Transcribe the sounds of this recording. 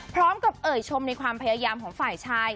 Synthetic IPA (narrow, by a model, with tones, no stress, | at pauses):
pʰɾɔː˦˥mka˨˩p̚ʔɤː˨˩jt͡ɕʰo˧mna˧jkʰwaː˧mpʰa˧jaː˧jaː˧mkʰɔː˩˦ŋfaː˨˩jt͡ɕʰaː˧˥˩j